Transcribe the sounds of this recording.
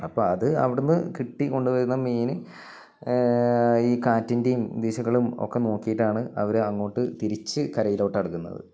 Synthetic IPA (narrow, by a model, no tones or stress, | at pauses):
ɐpːoːɐðɨɐ̰ʋiɽunːɨkiʈːiko̞ɳɖuʋɐɾunːɐmiːnɨ | iːkaːtːindejumd̪eːɕɐɣːɐɭumo̞̰kːe̞no̞ːkːijiʈːaːɳɨɐʋɐɾɐŋːo̞ːʈːɨt̪iɾit͡ɕːɨkɐɾɐjiloːʈːɐɽukːunːɐ̰ðɨ̰